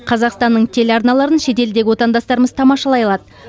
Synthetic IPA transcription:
qʰɑzɑqst̪ɑnːəɴt̪ʰe̞lɑɾnɑlˠɑɾənʃe̞t̪e̞ld̪e̞ɡʲɪwo̞t̪ɑnd̪ɑst̪ɑɾəməzt̪ʰɑmɑʃɑlˠɑjɑlˠɑd̪ə

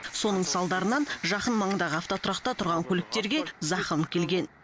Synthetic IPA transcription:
so̞nəɴsɑlˠd̪ɑɾənɑnʒɑqənmɑɴəd̪ɑʁəɑft̪ot̪ʰʊɾɑqt̪ɑt̪ʰʊɾʁɑŋkʲʰɵlɪk̚t̪e̞ɾɡʲe̞zɑqəmkʲʰe̞lɡʲe̞n

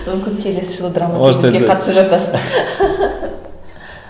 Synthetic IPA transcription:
mʏmkʲɪŋkʲʰe̞le̞sɪʒəlˠəd̪ɾamɑeɡʲeqʰɑt̪əsəpʒɑt̪ɑsə

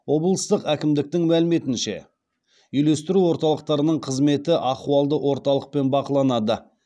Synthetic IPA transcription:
wo̞blˠəst̪əqækʲɪmd̪ɪk̚t̪ɪŋmælɪme̞t̪ɪnʃe̞̰ | ʏjle̞st̪ɪɾuwo̞ɾt̪ɑlˠəq̚t̪ɑɾənəɴqʰəzme̞t̪ɪʔɑquɑlˠd̪əwʔo̞ɾt̪ɑlˠəq̚pe̞nbɑqəlˠɑnɑd̪ə

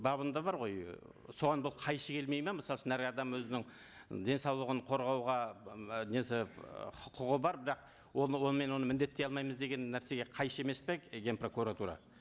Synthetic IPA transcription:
bɑβənd̪ɑbɑɾʁo̞j | so̞ʁɑnbʊlˠqʰɑjʃəkʰʲe̞lme̞jmeməsɑlˠʃənæɾɑd̪ɑmwɵzɪnɪŋ | d̪ʲe̞nsɑwlˠəʁəɴqʰo̞ɾʁɑwʁɑneseχʊqʊʁəbɑɾbɪɾɑq̚ | wowo̞nəme̞nwo̞nəmɪnd̪e̞t̪ːe̞jɑlˠmɑjməzd̪e̞ɡʲe̞nːæɾse̞ɡʲe̞qʰɑjʃəe̞me̞speɡʲe̞npro̞kuɾat̪uɾɑ̰

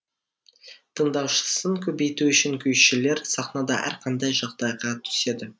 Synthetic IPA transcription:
t̪ʰəɴd̪ɑwʃə̥səŋkʲʰɵbe̞jt̪uʏʃɪŋkʲʰɵjʃɪle̞ɾsɑqnɑd̪ɑ̰ʔæ̰ɾqʰɑnd̪ɑjʒɑqd̪ɑjʁɑt̪ʰʏ̥se̞d̪ɪ

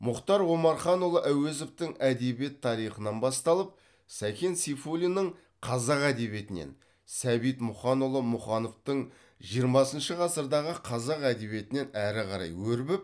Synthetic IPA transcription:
mʊqt̪ɑɾwo̞mɑɾχɑnolˠəʔæwezoft̪ɪŋæd̪ebije̞t̪ʰːɑɾijχənɑnbɑst̪ɑlˠəp̚ | sækʲʰe̞nsifulʲinːəɴ | qʰɑzɑqæd̪e̞βje̞t̪ɪnḛn | sæbijt̪mʊχɑnolˠəmʊχɑno̞ft̪əɴ | ʒijəɾmɑsənʃəqʰɑsəɾd̪ɑʁəqʰɑzɑqæd̪e̞βije̞t̪ɪne̞næɾɪqɑɾɑ̰jwɵɾbɪp̚

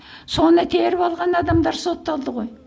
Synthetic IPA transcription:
so̞nət̪ʰeɾɪpɑlˠʁɑnɑd̪ɑmd̪ɑɾso̞t̪ːɑlˠd̪əʁo̞j

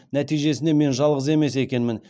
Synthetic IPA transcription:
næt̪ijʒe̞sɪneme̞nʒɑlˠʁəze̞me̞se̞kʲe̞nmɪn

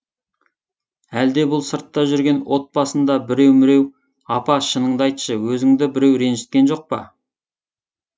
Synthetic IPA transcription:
æld̪e̞bʊlˠsəɾt̪ːɑʒʏɾɡʲe̞nwo̞t̪̚bɑsənd̪ɑbɪɾe̞wmɪɾe̞w | ɑpɑʃənəɴd̪ɑjt̪ə̥ʃəwɵzɪŋd̪ɪbɪɾe̞wɾe̞nʒɪ̥t̪̚kʲe̞nʒo̞q̚pə̰

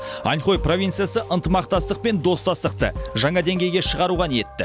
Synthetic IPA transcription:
ɑ̰nχo̞jpro̞vʲijnt̪sɨjasəʔənt̪əmɑq̚t̪ɑst̪əq̚pe̞nd̪o̞st̪ɑst̪əq̚t̪ə̰ʒɑɴɑd̪e̞ŋɡʲe̞jɡʲe̞ʃəʁɑɾuʁɑne̞t̪ːɪ

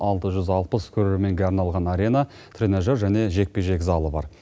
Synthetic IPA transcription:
ɑlˠt̪əʒʏzɑlˠpəskʲʰɵɾe̞ɾme̞ŋɡʲeɑɾnɑlˠʁɑnɑɾʲe̞na | t̪ʰrʲeneʒɑɾʒæne̞ʒe̞k̚pe̞ʒe̞kzɑlˠəbɑ̰ɾ

